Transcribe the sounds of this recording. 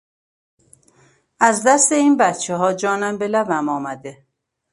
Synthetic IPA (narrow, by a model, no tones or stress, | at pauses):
æzd̪æst̪e̞iːnbæt̪t͡ʃʰeɦɒːd͡ʒɒːnæmbelæbæmɒːmæd̪e